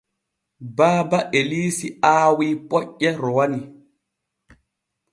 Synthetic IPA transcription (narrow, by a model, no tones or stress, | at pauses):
baːbaʔeliːsiaːwiːpʼɔʔːɛɾɔwani